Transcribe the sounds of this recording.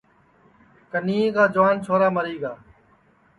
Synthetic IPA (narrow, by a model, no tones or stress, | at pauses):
kəniːẽːkaːd͡ʒʊʋaːnt͡ʃʰoːɾaːməɾiːɡaː